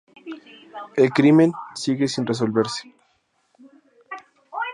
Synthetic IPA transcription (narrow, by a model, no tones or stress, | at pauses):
elkɾimensiɣesinres̬olβeɾse̥